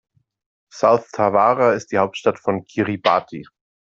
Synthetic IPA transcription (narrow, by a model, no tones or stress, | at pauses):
saʊθtʰavaːʁaɪst̚d̥iːhaʊp̚tʃtatfɔnkʰiʁibaːtʰi